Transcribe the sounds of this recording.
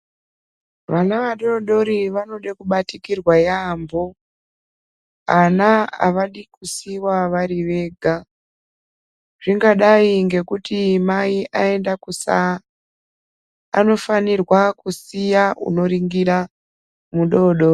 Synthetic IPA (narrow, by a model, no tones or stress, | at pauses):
ʋanaʋaɗo̞ɗo̞ɾiʋano̞ɗekuɓatikirwajaːmbo̞ | anaa̰ʋaɗikusiwaʋaɾiʋe̞ːɡʱa | ʐ̥iŋɡaɗaiŋɡe̞kutimaiʔae̞ndakusa̰ | no̞fanirwakusijaṵno̞ɾiŋɡiɾa | muɗo̞ɗo̞ri